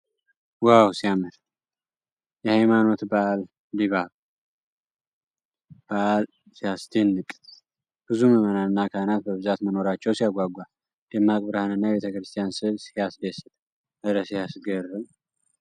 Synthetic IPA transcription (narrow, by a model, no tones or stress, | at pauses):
wawsijamɨɾ | jɛhajmano̞t̪balː | iβaβ | b̥aʔl | sihasd̪indɨkʼ | b̥ɨzuməmənaɨnːakʰahnat̪̚bəβɨzat̪məno̞ɾat͡ʃːɛwsijaɡʷaɡʷa | d̪̥emːakʼbɾahanɨnːajɛβe̞t̪ʰəkɾɨst̪ʰijansɨβsihasd̪esɨt̪ʼ | ʔəd̪ɾəsijasɡərːɨm